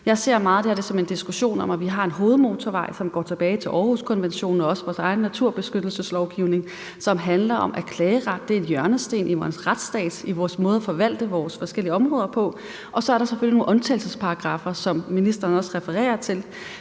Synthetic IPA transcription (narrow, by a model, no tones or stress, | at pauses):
jɑ̈ɪse̝ɐ̰mɑ̈ːð̩ˠd̥eɐd̥e̝sɒ̽me̝nd̥isɡ̥uɕo̝̰ːnɒ̽mʔæʋiɦɑ̈e̝nɦo̝ːð̩ˠmo̝ːt͡sʰɒʋɑ̈ɪ̰sɒ̽mɡ̥ɒ̰ːt͡sʰe̝b̥ɛːɪt͡sʰe̝lʔɒːhuskʰɒ̽nʋenɕo̝̰ːnɒɒ̽sʋɒːsɑ̈ɪn̩ːæt͡sʰuɐ̰b̥e̝sɡ̥ød̥l̩səslɒʊɡ̥iʊne̝ŋ | sɒ̽mɦænlɐʔɒ̽mʔæɐkʰlɛːəʁad̥̚ːe̝æɐenjɶɐnəsd̥e̝̰ːnʔiʋɒːsʁad̥sd̥ɛ̰ːd̥iʋɒːsmɔ̽ːð̞̩ˠæfɒ̽ʋæl̰d̥əʋɒːsfɒ̽sɡ̥el̰iəɒ̽mʁɔ̽ːðˠɐpʰɒ̽ | ʔɒ̽sɒ̽æɐɾɑ̈seføljino̝ːnʔɒ̽nt͡sʰɛ̰ːlsəspʰɑ̈ɡ̥ʁɑ̈fɐsɒ̽mminisd̥ɐnɒ̽sʁɛfəʁɛ̰ːɐt͡sʰe̝l